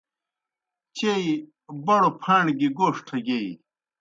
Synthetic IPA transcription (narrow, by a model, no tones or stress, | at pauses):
t͡ɕei | bɐɽopʰaːɳɡiɡoːʂʈʰɐɡeːi